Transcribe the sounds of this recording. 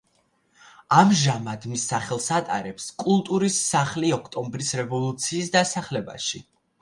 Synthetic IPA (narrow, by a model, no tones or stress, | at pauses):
amʒamad̪misːaχɛlˠsat̪ʼa̰ɾɛpskʼulˠt̪ʼuɾisːaχliɔkʰt̪ʼɔmbɾisɾɛvɔlˠut̪sʰiːsd̪asaχlɛba̰ʃi